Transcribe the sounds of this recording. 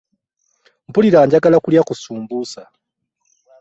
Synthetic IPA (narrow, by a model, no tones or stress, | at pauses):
m̩puliɾaːɲɟakalakuljakusuːmbusa